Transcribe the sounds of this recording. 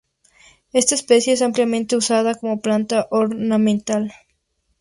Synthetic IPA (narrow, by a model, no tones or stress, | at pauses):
e̞st̪aespe̞sje̞es̬ampljamẽnt̪e̞usaðako̞mo̞plant̪aʔoɾnamẽnt̪al